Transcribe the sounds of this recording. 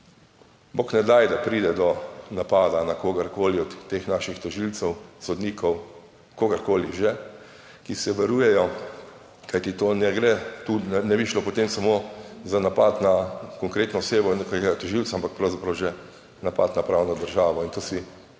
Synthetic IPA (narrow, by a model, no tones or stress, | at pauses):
boknɛd̪ajd̪apɾiːd̪ɛd̪ɔnapaːd̪anakoːɡɐɾkoːliɔt̪ːexnaːʃixt̪ɔʒilsɛwsɔd̪niːkɔw | koːɡɐɾkoːliʒɛ | kisɛʋaɾuːjɛjɔ | kajt̪it̪oːnɛɡɾɛt̪uɛnɛbiʃlopɔt̪emsamozanapat̪nakɔŋkɾeːt̪nɔɔseːbɔnekakeɡat̪ɔʒiltsaampak̚pɾɐwzapɾɐwʒɛ | napat̪napɾawnɔd̪əɾʒaːʋɔint̪oːsi